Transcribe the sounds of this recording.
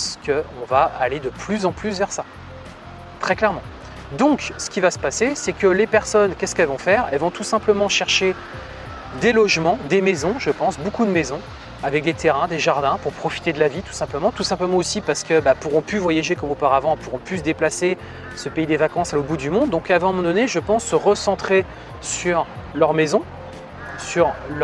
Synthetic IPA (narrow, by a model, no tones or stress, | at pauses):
skəɔ̃vaːled̪əplyzɑ̃plysvɛʁsa | t̪χɛklɛʁmɑ̃ | d̪ɔ̃ksə̥kʲivasə̥pasesɛkəlepɛʁsɔnkʲɛskɛlvɔ̃fɛʁɛ̰lvɔ̃t̪usɛ̃pləmɑ̃ʃɛʁʃe | d̪elɔʒmɑ̃d̪emezɔ̃ʒəpɑ̃sbokud̪əmezɔ̃ | avɛk̚d̪et̪eʁɛ̃d̪eʒaʁd̪ɛ̃puʁpχɔfi̥t̪ed̪əlavit̪u̥sɛ̃pləmɑ̃t̪usɛ̃pləmɑ̃osipaʁsə̥kəbapuʁɔ̃pyvwajaʒekɔmopaʁavɑ̃ɛpuʁɔ̃pys̬əd̪eplase | səpeid̪evakɑ̃salobud̪ymɔ̃d̪dːɔ̃kavɛ̃mɑ̃d̪ɔneʒəpɑ̃sːəʁəsɑ̃t̪χe | syʁlœʁmezɔ̃ | syʁl